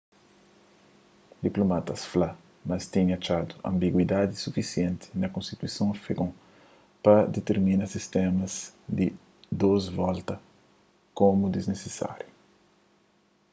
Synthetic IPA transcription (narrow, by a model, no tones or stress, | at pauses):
d̪iplomat̪ɐsfla | mɐst̪ĩɲɐt͡ʃad̪uɐ̰̃mbiɡwid̪ad̪isufisjẽnt̪i̥nɐkõnst̪it̪uisɐ̃w̃feɡõ | pɐd̪et̪eɾmĩnɐsist̪ɛmɐzd̪i | d̪ozvɔlt̪ɐ | komud̪iznesesa̰ɾju